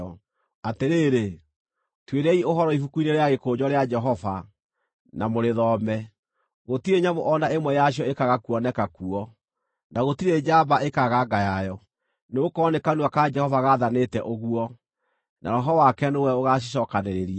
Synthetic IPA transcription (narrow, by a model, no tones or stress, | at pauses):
ɔ | ateɾeːɾe | tweɾɛioɦɔɾɔifukuineɾeaɣekoːɲɔɾead͡ʒɛɦɔva | namoɾeðɔmɛ | ɣotiɾeɲaβoʔɔnaemwɛjaɕ̬iɔekaɣakuɔnɛkakuɔ | naɣotiɾed͡ʒabaekaɣaɡajajɔ | neokɔːnekanuakad͡ʒɛhɔvaɣaðanetɛʔoɣuɔ | na̰ɾɔɦɔwakɛnowɛoɣaɕ̬iɕ̬ɔkaneɾeɾia